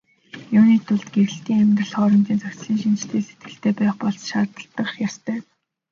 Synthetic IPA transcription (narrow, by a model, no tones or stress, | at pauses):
jʊːniːt̪ʰʊɮt̪ɡeɾɘ̆ɬt̪iːŋæmʲt̪rə̆ɮχɔːɾɞ̆mt͡ɕ̪iːnt͡sœkʲt͡sɮiːŋʃint͡ɕt̪ʰeːse̥t̪̚ɡɘ̆ɬt̪eːpæːχpɔɮt͡sʃaːrt̪ə̆ɬt̪ːə̆qjast̪ʰœː